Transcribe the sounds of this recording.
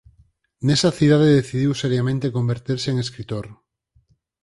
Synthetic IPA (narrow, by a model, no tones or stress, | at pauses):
nesaθiðaðeðeθiðiwseɾjamẽnt̪ekombeɾt̪iɾseːŋeskɾit̪oɾ